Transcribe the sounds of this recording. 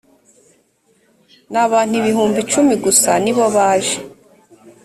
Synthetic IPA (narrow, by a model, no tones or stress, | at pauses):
naβaːn̥huiβihuːmbit͡ʃumiɡusaniβo̞βaːʒe